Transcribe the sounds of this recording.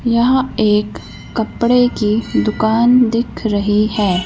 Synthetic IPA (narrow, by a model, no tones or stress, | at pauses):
jɐɦeːkː | ɐpɽekid̪ʊkaːnd̪ɪkʰɾɐɦihɛː